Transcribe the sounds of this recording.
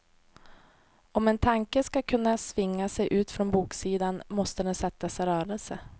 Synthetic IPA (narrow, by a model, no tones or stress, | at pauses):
ɔmɛnt̪ʰaŋkəskakʰɵnːasvɪŋːasɛjʔʉ̟ːt̪fɾɔnbuːksiːd̪anmɔst̪əd̪ɛnsɛt̪ːasɾœːɾəlsə